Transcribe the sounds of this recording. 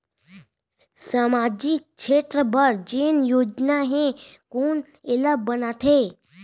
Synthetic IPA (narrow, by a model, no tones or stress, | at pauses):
saːmad͡ʒik̚t͡ʃʰeːʈ̪ɾəbəɾd͡ʒeːnjoːd͡ʒnaɦẽkoːn | elabːənat̪ʰe